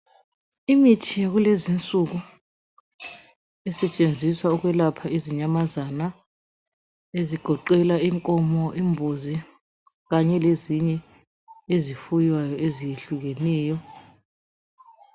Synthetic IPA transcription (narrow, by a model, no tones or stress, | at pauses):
imitʰijaɣ̬ulezint͡sʼuk̬u | ɛsɛt͡ʃʼend͡zʱiswauk̬wɛlapʰaiziɲamazana | eziɡ̥ʱɔǃɛlaiŋkʼɔmɔʔimbʱuzi | ɣaɲɛleziɲɛ | ezifujwajɔezijeɬuɣ̬enɛːjɔ